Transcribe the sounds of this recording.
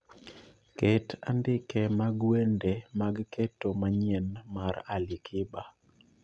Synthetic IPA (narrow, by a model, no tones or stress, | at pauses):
keta̰ndɪkɛmaɡwendemaɡketːomaɲɛnmaɾalɪkʰɪba